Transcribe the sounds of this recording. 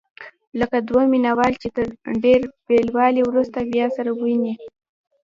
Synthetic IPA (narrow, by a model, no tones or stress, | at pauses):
ləkad̪waminawɑlt͡ʃet̪əɾɖeɾbelwɑlewɾust̪abjɑsaɾawini